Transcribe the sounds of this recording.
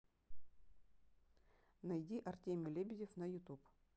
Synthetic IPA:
nɐjdʲiʔɐrtʲemʲʊlʲebʲɪdʲɪfnɐjʊt̪up

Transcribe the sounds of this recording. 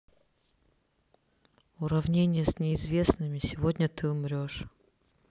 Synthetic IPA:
ʊɾɐvnʲenʲɪjəsʲnʲɪɪzvʲe̞snɨmʲɪsʲɪvodʲnʲət̪ɨʊmɾʲo̞ʂ

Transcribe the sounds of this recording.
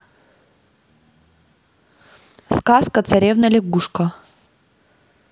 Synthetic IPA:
skaskət̪sɐɾʲevnəlʲɪɡuʂkə

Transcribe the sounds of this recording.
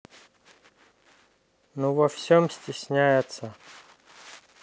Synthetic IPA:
nuvɐfsʲomsʲtʲɪsʲnʲæjɪt̪sɐ

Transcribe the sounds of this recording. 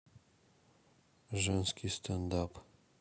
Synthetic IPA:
ʒənskʰʲist̪ʰɐnd̪ap

